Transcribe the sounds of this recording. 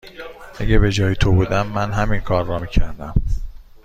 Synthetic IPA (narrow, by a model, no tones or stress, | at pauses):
ʔæɟebe̞d͡ʒɒːjet̪ʰobuːd̪æmːænɦæminkʰɒːɾːɒːmiːcʰæɾd̪æm